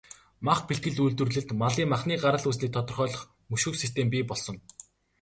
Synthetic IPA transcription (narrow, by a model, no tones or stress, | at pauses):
maχpiɬt̪ɡɘ̆ɮujɮt̪wɵ̆rɮɘ̆ɬt̪maɮiːmaχniːɢaɾə̆ɮuːs̬niːkt̪ʰɔt̪ɞ̆rχœːɮɞ̆χ | mɵʃŭːksist̪ʰempʲiːpɔɮsɞ̆n